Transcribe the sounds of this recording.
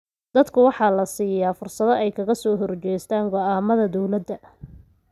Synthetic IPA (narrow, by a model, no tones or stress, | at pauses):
d̪̥ɐd̪kʰʊwɑħɑːlɐsiːjaːfʊrsɐðɔɛjkʰɐɣɐsɔːɦɔrt͡ʃɛjst̪ʰaːŋɡɔaːmɐðɐd̪ɔwlɐd̪ːɐ